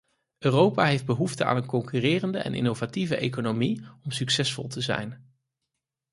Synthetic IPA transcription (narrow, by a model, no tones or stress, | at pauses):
ʔøːrowpaːɦejfd̚bəɦuftəa̰ːnənkɔŋkyrɪːrəndəɛ̰nʔɪ̰nowvativəʔejkonomiɔmsyksɛsfɔ̰lˠtəzɛ̰jn